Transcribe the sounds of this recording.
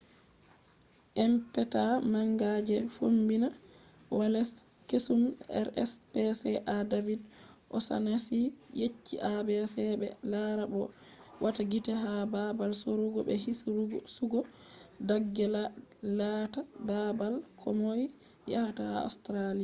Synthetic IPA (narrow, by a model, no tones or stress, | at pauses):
ʔɛmpɛtamaŋɡad͡ʒɛfombina | walɛs | kesumɛ̰ɾɛ̰spɛsɛʔadavidʔɔsa̰nasijet͡ʃːiʔabɛsɛbɛ̰laɾabɔ | wʔataɡitɛɦababalsoɾuɡɔbɛhisɾuɡsuɡɔ | daɡːɛllatababalkʰɔ̰moj | jahataa̰stɾalija